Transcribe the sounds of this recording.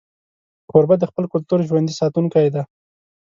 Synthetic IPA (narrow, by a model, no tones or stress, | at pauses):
ʁoɾbad̪əxpəlkʊlt̪uɾʒwand̪isɑt̪uŋkajd̪a